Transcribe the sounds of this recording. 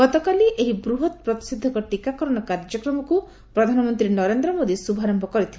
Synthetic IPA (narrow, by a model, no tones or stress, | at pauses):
ɡɔt̪ɔkaliʔeɦibɾuɦɔt̪̚pɾɔt̪i̥sid̪ʱːɔkɔʈikakɔɾɔɽ̃ɔkaɾd͡ʒɔkɾɔmɔku | pɾɔd̪ʱanɔmɔnt̪ɾinɔɾend̪ɾɔmod̪isubʱaɾɔmbʱɔkɔɾit̪ʰib